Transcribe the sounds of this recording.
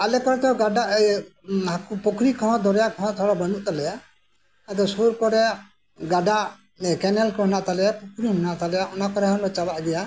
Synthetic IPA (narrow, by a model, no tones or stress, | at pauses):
alɛkɔɾɛt̪ɛɡaɖaʔ | hakupɔkʰɾikʰɔ̃d̪ɔɾɛjaʔkʰɔ̃t̪ʰɔɽɔbənuʔt̪alɛja | ad̪ɔsuɾkɔɾɛjaʔ | ɡaɖaʔ | kɛnɛlkɔɦɔnaʔt̪alɛjapɔkʰɾiɦɔnaʔt̪alɛjaʔɔnakɔɾɛɦɔnɔt͡ʃabaʔɡɛja